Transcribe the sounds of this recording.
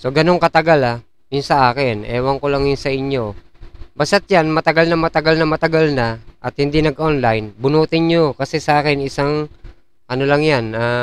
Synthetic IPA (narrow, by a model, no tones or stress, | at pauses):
soɡɐno̞ŋkɐt̪ɐɡala | jʊnsɐʔaːkɪnʔɛːwɐŋkolaŋjʊnsɐʔɪɲjo̞ | basat̪̚janmɐt̪ɐɡalnɐmɐt̪ɐɡalnɐmɐt̪ɐɡalnɐʔɐt̪̚hɪnd̪inɐɡʔonlajnbʊnuːt̪ɪɲɲokɐsɛsɐʔaːkɪnɪsaŋ | ʔɐnolaŋjana